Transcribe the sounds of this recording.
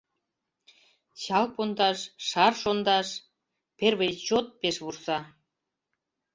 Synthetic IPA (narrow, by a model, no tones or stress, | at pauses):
ɕɑlpond̪ɑʃʃɑrʃond̪ɑʃ | perβejt͡ɕot̪̚peʃβursɑ